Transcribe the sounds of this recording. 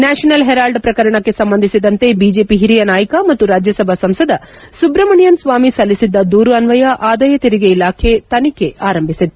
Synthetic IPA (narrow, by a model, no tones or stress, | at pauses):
naːʂɐnɐlɦeɾaːlɖpɾɐkɐɾɐɳɐkːe̞sɐmbɐnd̪ʱisid̪ɐnt̪ebiːd͡ʒe̞ːpiɦiɾijɐnaːjɐkɐmɐt̪ːuɾaːd͡ʒjɐsɐbʱɐsɐmsɐd̪ɐ | subɾɐmɐɳijɐnsʋaːmisɐlːisid̪ːɐd̪uːɾuɐnʋɐjɐʔaːd̪ɐjɐt̪iɾiɡeilaːkʰe̞t̪ɐnike̞aːɾɐmbʱisid̪